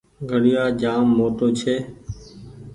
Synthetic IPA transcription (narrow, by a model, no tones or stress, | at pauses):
ɡʱəɽɪjaːd͡ʒaːmːoːʈ̪oːt͡ʃʰeː